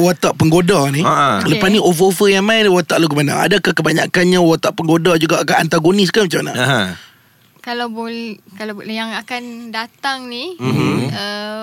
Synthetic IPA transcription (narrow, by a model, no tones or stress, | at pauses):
wat̪aʔpəŋɡodaniaʔaləpasniʔofəofəjaŋmainwat̪aʔluɡumana̰a̰dakahkəbaɲakanɲãwat̪aʔpəŋɡodad͡ʒuɡaʔkaant̪aɡonis̬kamat͡ʃamana̰aɦã | kalawbolkalajaŋakandat̪aŋnimə